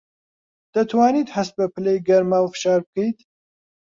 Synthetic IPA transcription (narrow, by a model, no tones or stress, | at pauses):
d̪̥ɐt̪ʰwaːniːt̪hɐst̪̚bɐpʰɨlejɡɐɾmaːwfɨ̥ʃɑːɾb̚ɨkʰejt̪